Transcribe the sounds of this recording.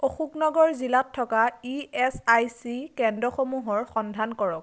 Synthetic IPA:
oxuknɔɡɔɹzilatʰːɔkaiɛsajsikɛndɹɔxomuɦɔɹxɔndʱankɔɹɔk̚

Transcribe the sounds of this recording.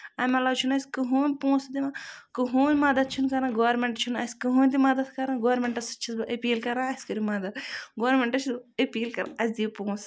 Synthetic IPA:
ɐmɐlɐwt͡ʃʰunɐsʲkɨɦuːnʲpõːsd̪imãkɨɦuːnʲmɐd̪ɐt̪̚t͡ʃʰunkɐɾãɡoːɾmeɳʈt͡ʃʰunɐsʲkɨɦuːnʲd̪imɐd̪ɐt̪kɐɾãːɡoːɾmeɳʈɐsɐ̥t͡ʃʰisbɐʔɐpiːlkɐɾãɐsʲkɐɾimɐd̪ɐt̪ɡoːɾmeɳʈɐt͡ʃʰisbɐpiːlkɐɾ̰ʔɐsʲd̪iːpõːs

